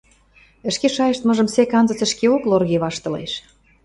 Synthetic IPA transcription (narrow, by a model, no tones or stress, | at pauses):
ə̆ʃkeʃɑjeʃt̪mɤ̆ʒə̆msekɑnzət͡sə̆ʃkeoklorɣeβɑʃt̪ɤ̆lḛʃ